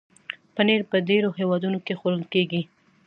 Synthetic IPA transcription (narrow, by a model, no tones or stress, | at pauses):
pəneɾpəɖeɾohewɑd̪unokexoɾəlkeɡi